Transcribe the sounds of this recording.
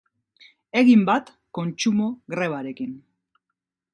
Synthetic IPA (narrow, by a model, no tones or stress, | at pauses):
e̞ɣimbat̪ | ko̞nt͡ʃumo̞ɣɾe̞β̞aɾe̞kin